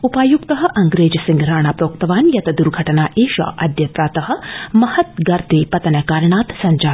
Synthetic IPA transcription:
upaːjukt̪ɐəɦɐ̆ʔɐŋɡɾeːd͡ʒsĩŋɡɾaːɳ̃aːpɾoːkt̪ɐʋaːnjɐt̪ɐd̪uɾɡʱɐʈɐnaːʔeːʃa̰ːʔɐd̪jɐt̪ɾaːt̪ɐɦə̆mɐhɐt̪ɡɐɾt̪eːpɐt̪ɐnɐkaːɾjɳ̃aːt̪sɐɲd͡ʒaː

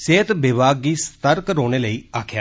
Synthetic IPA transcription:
seːt̪bɪbaːɡiːst̪əɾkɾoːɽ̃eːləiːaːkʰja̰ː

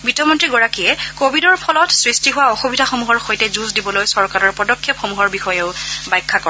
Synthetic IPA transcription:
bitɔmɔntɹiɡɔɹakijɛkobʱidɔɹpʰɔlɔtsɹistiɦʊwaɔxubidʱaxomuɦɔɹxojtɛzuzdibɔlojsɔɹkaɹɔɹpɔdɔkʰːepxomuɦɔɹbixɔjeʊbajkʰːakɔɹ

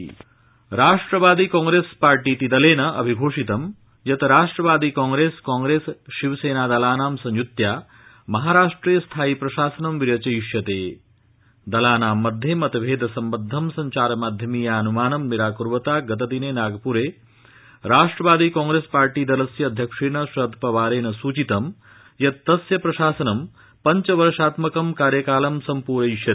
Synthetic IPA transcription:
ɾaːʂʈɾɐʋaːd̪iːkaːŋɡɾeːspaːɾʈiːt̪id̪ɐleːnɐʔɐ̰bʱiɡʱoːʂit̪ɐm | jɐt̪ɐɾaːʂʈɾɐʋaːd̪iːkaːŋɡɾeːskaːŋɡɾeːsʃiʋseːnaːd̪ɐlaːnaːmsɐ̃ɲjut̪jaː | mɐɦaːɾaːʂʈɾiːjɐst̪ʰaːipɾɐʃaːsɐnɐmʋiɾjɐt͡ʃɐjuʃjɐt̪eː | d̪ɐlaːnaːmːɐd̪ʱjemɐt̪ɐʋʱeːd̪ʱɐsɐmbɐd̪ʱːɐmsɐɲt͡ʃaːɾɐmaːd̪ʱjɐmiːjaːɐnumaːnɐmniɾaːkuɾʋɐt̪aːɡɐt̪ɐd̪ineːnaːɡɐpuɾeː | ɾaːʂʈɾɐʋaːd̪iːkaːŋɡɾeːspaːɾʈiːd̪ɐlɐsjɐːd̪ʱjɐkʂeːnɐʃɐd̪ʱpɐʋaːɾeːnɐsuːt͡ʃit̪ɐm | jɐt̪t̪ːɐsjɐpɾɐʃaːsɐnɐm | pɐɲt͡ʃɐʋɐɾʂaːt̪mɐkɐmkaːɾjɐkaːlɐmsɐmpuːɾɐjiʃjɐt̪ː

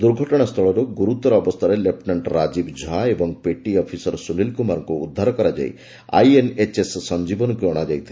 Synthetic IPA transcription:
d̪uɾɡʱɔʈɔɽ̃ast̪ʰɔɭɔɾuɡuɾut̪ɔɾɔːbɔst̪ʰaɾelepnaɳʈɾad͡ʒibd͡ʒʱaebɔŋpeʈiɔpʰisɔɾsunilkumaɾɔŋkuːd̪ʱːaɾɔkɔɾad͡ʒa̰j | a̰jenet͡ʃessɔnd͡ʒibɔnɔkuɔɽ̃ad͡ʒajt̪ʰil

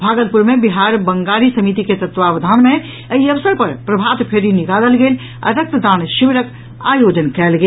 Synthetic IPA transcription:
bʱaːɡəlpuɾmẽbiɦaːɾbɐ̃ŋɡaːɾisəmit̪iket̪ɐt̪ʋaːʋd̪ʱaːnmẽ | əiɐʋsəɾpɐɾpɾɐbʱaːt̪pʰeɾinɪkaːləlɡeːl | ɐ̰ɾək̚t̪d̪aːnʃiʋɾək | aːjoːd͡ʒənkɛːlɡeː

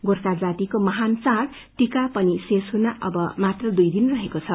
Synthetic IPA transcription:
ɡorsad͡zat̪ikomʌɦant͡saɽ | ʈikapʌnisesɦunaʔʌ̰bʌmat̪rʌd̪ujd̪inrʌɦekot͡sʰʌ

